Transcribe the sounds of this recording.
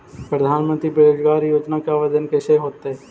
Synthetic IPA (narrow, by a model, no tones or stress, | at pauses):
pɾəd̪ʱaːnmə̃nt̪ɾibeɾoːd͡ʒɡaːɾijoːd͡ʒnakeaːʋəd͡ʒənkeʃeɦoːt̪eɦɛ